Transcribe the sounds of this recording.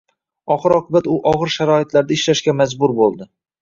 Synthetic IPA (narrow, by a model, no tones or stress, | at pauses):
ɒχɨɾɒqʰʊbat̪ʊʔɒʁɨɾʃaɾɒɪt̪laɾd̪aɪʃlaʃkʲamazbʊɾbolˠd̪ɪ